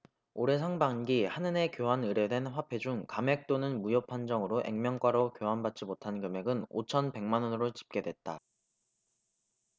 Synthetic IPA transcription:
oɾe̞sʰaŋbaŋɡihanɯne̞kjoɦanɯɾe̞dwe̞nɸwapʰe̞d͡ʑuŋkame̞k̚t͈onɯnmujʌpʰand͡ʑʌŋɯɾoʔe̞̰ŋmjʌŋk͈waɾokjoɦanbat̚t͡ɕ͈imotʰankjɯme̞ɡɯno̰t͡ɕʰʌnpe̞ŋmanʌnɯɾot͡ɕi̥p̚k͈e̞dwe̞t̚t͈a

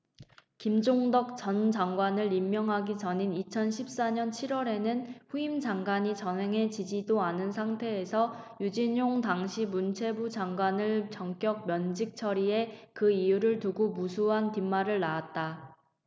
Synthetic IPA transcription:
kimd͡ʑoŋdʌk̚t͡ɕʌnd͡ʑaŋɡwanɯɭimːjʌŋɦaɡit͡ɕʌɲinit͡ɕʰʌnɕʰip̚s͈aɲʌnt͡ɕʰiɾwʌɾe̞nɯnɸuimd͡ʑaŋɡwaɲit͡ɕʌnɦe̞ŋɦe̞t͡ɕid͡ʑidoanɯnsʰaŋtʰe̞ːsʰʌjud͡ʑiɲoŋtaŋɕʰimunt͡ɕʰe̞bud͡ʑaŋɡwanɯɭt͡ɕʌŋk͈jʌk̚mjʌnd͡ʑik̚t͡ɕʰʌɾie̞kɯijuɾɯɭtuɡomusʰuɦantimːaɾɯɭːaat̚t͈a

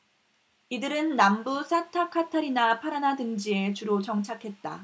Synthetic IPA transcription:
idɯɾɯnːambusʰatʰakʰatʰaɾinapʰaɾanadɯŋd͡ʑie̞t͡ɕuɾot͡ɕʌŋt͡ɕʰakʰe̞t̚t͈a̰

